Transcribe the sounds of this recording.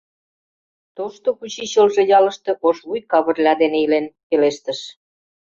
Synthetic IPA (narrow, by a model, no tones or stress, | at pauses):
t̪oʃt̪okut͡ɕiɕəlʒĕjɑlə̆ʃt̪ɤ̆ʔoʃβujkɑβə̆rlʲɑd̪eneilenkeleʃt̪əʃ